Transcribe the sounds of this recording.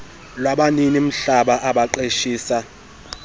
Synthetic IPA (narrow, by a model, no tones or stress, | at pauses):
lwaɓaninim̩ɬaɓaʔaɓaǃeʃiːsa